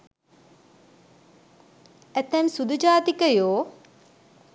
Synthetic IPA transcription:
æt̪ːɛmsud̪ud͡ʒaːt̪ikəjoː

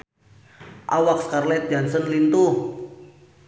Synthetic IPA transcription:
ʔawakskarlɛt̪̚d͡ʒansənlint̪uh

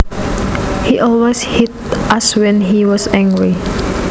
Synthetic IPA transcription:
hiʔɔlweshit | ʔaswɛ̃nɦiwɔsɛ̃ŋɡɹi

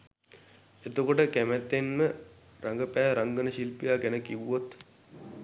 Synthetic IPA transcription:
et̪okoʈəkæmæt̪ːenmə | ɾaŋɡəpæːɾaŋɡənəɕilpijaːɡɛnəkiʋuot̪

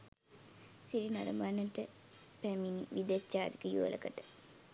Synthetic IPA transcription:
siɾinaɾɐmanːəʈə | pæminiʋid̪et͡ʃːaːd̪ikəjuʋə̰lʔə̰kəʈə̥

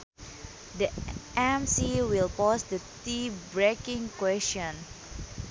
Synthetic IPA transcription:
dəʔɛ̃msiwilpɔsd̪ət̪ibɹekĩŋkwɛstɔ̃n

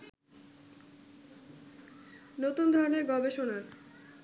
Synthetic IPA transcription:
not̪und̪ʱɔɾoneɾɡɔbeʃonaɾ

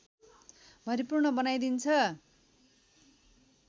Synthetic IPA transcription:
bʱʌɾipurɳʌbʌnajd̪int͡sʰʌ

